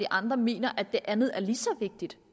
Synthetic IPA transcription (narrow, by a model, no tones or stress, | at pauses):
d̥iʔɑ̈nd̥ʁɐme̝̰ːnɐʔæd̥ːe̝ʔænð̞̩ˠæɐliːsɒ̽ʋe̝ɡ̥̚d̥id̥